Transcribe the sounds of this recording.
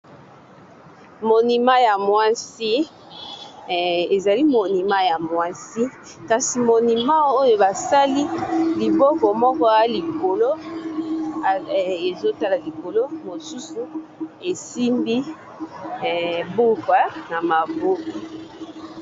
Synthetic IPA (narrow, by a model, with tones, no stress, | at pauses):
mo˨ni˨ma˦ja˨mwa˦si˦˨ | e˨za˨li˦mo˨ni˨ma˦ja˨mwa˦si˦ | ka˨si˨mo˨ni˨ma˦o˦jo˦ba˨sa˦li˦li˨bɔ˦kɔ˨mɔ˦kɔ˦a˦li˨ko˨lo˦˨ | e˨zo˦ta˦la˨li˨ko˨lo˦mo˨su˦su˨e˨si˦mbi˦˨ | bu˦kwa˦na˨ma˨bo˦ki˨